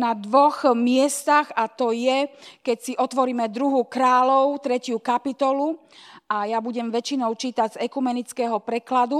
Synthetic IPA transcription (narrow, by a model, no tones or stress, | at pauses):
nad̪ʋɔxmɪɛst̪aɣat̪ɔjɛkɛcsiʔɔt̪ʋɔɾiːmɛd̪ɾuɦukɾaːlɔʊt̪ɾɛcɪukapit̪ɔlu | ʔajabuɟɛmʋɛt͡ʃinɔʊt͡ʃiːt̪aɟzɛkumɛnit͡skɛɦɔpɾɛklad̪u